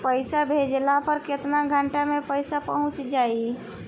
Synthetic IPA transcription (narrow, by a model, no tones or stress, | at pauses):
pəɪsabʱed͡ʒlapəɾkɪt̪naɡʱəɳʈamẽpəɪsapəɦʊ̃t͡ʃd͡ʒaːi